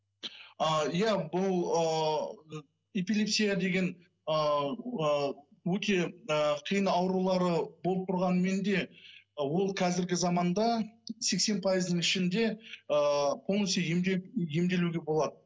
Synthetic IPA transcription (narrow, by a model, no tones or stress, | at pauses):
əjæbʊlˠə | e̞pilʲˠe̞psʲijad̪e̞ɡʲe̞n | əəwɵt̪e̞əqʰijənɑwɾulˠɑɾəbo̞lˠəp̚t̪ʰʊɾʁɑnəme̞nd̪e̞wo̞lˠqʰɑzɪɾɡʲɪzɑmɑnd̪ɑse̞kse̞npʰɑjəzd̪nəɴɪʃɪnd̪e̞əqʰo̞lˠnesejje̞md̪e̞luɡʲe̞bo̞lˠɑd̪ə